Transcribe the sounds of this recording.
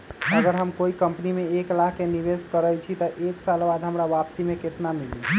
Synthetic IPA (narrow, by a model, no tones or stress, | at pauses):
əɡəɾɦəmkoikəmpnimeːklaɦkeniʋeskəɾət͡ʃʰit̪əʔeksalbad̪ʱɦəmɾaʋapsimeket̪namili